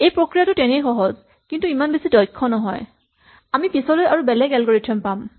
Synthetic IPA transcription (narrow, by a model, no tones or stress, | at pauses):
ejpɹokɹijatʊtɛnejxɔɦɔz | kintuimanbesidɔjkʰːɔnɔɦɔj | amipisɔlojaɹubɛlɛɡɛlɡoɹitʰɛmpam